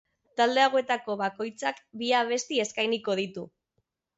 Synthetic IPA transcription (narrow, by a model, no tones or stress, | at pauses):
t̪ald̪e̞aɣoe̞t̪ako̞βako̞jt͡sakbiaβ̞e̞st̪ie̞skajniko̞ð̞it̪u